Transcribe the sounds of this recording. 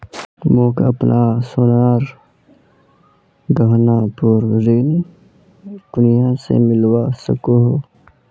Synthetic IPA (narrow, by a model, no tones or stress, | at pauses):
moːkə̰pnʔasʊnaːɾ | d̪əɦnapʊɾɾeːn | d̪̥ʊnijasḛmɪlwasə̰koɦo